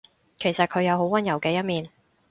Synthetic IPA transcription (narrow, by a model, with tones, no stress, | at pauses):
kʰe˨˩jsɐ˨t̚kʰɵ˨˧ɥjɐ˨˧wɦo˨˥wɐ˨˥njɐ˨˩wkɛː˧jɐ˥t̚miː˨n